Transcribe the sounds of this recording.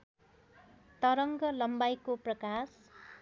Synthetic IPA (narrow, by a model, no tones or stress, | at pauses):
t̪ʌɾʌŋɡʌlʌmbajkoprʌkas